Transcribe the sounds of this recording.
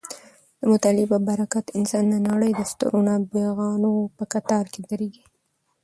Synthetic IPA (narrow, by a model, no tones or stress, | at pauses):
d̪̥əmʊt̪ɑlɪbabaɾakat̪ɪnsɑnd̪ənaɽəjd̪əst̪ʊ̰ɾonɑbeɣɑnopəkat̪ɑɾked̪aɾeɡi